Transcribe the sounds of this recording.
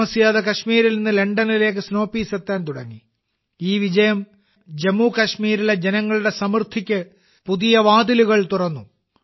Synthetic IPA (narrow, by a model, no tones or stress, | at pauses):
ɐsijaːðɐkɐɕmiːɾilninːɨle̞ɳɖɐnile̞ːk̬ːɨsno̞ːpːiːsɐt̪ːaːnt̪uɽɐɲːi | iːʋid͡ʑɐjɐm | d͡ʑemːukɐʂmiːɾile̞d͡ʑenɐŋːɐɭuɽe̞sɐmrt̪ʰikʲːɨ | puðijɐʋaːd̪iluɣɐɭt̪urɐnːu